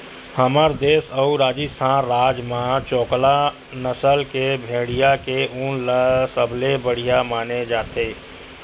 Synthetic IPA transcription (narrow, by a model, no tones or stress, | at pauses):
həmaɾd̪eːsəuɾaːd͡ʒist̪ʰãɾaːd͡ʒmãt͡ʃɔːkla | nəsəlkebʱẽːɽijakeʊ̃nləsəblebəɽ̤ijamaːned͡ʒaːt̪eː